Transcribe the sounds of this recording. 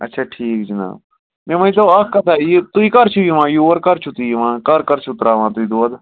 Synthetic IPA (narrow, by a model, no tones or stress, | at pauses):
ɐ̰tːʃʰaːʈʰiːkd͡ʒina̰ːb | mẽmɐĩt̪oɐkʰkɐt̪ʰaːjit̪uikɐɾt͡ʃʰujiʋãːjuːɐɾkɐɾt͡ʃʰut̪ijiʋãːkɐɾkɐɾt͡ʃʰut̪ɾaːʋãːt̪uid̪oːd̪